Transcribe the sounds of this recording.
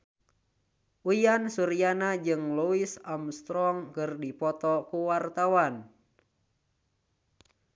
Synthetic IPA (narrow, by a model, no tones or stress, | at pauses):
ʔujansuɾianad͡ʒɨŋluisamst̪ɾɔŋkɨrdipɔt̪ɔkuwart̪awan